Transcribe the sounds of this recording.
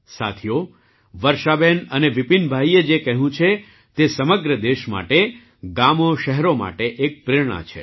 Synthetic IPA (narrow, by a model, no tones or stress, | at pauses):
sa̰t̪ʰijo | ʋəɾʃabenəneʋipinbʱaied͡ʒekəɦũt͡ʃʰe | t̪esəməɡɾəd̪eʃma̰ʈe | ɡamoʃəɦɾoma̰ʈeʔek̚pɾɪɾɳ̃a̰t͡ʃʰḛ